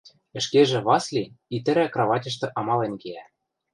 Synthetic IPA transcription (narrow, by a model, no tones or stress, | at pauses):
ɘ̆ʃkeʒĕβɑslʲiit̪ɘ̆ɾækrɑβɑtʲɤ̆ʃ̬t̪ɤ̆ʔɑmɑlenkeæ